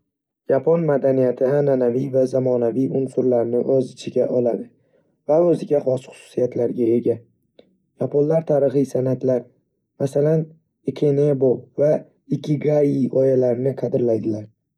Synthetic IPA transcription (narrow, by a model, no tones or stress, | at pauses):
japʰonmad̪anijat̪ʰɪananavijvazamɒnavijʊnsʊɾlaɾnɪʔɒzɪt͡ʃʰɪɡʲaʔɒlad̪ɪ | vaɵzɪɡʲaχɒsχʊ̥sʊ̥sijat̪ʰlaɾɡʲae̞ɡʲa | japʰonlaɾt̪ʰaɾɨχɨjsanat̪ʰlaɾ | masalan | ɪkʲʰenebova | ɪkʰʲɪɡaiʔɒjalaɾɪnɪqʰɑd̪ɪɾlajd̪ɪlaɾ